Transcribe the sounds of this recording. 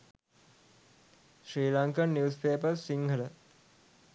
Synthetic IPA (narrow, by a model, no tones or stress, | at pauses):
ʃɾiːlaŋkənːjiuːspeːpəɾsiŋɡələ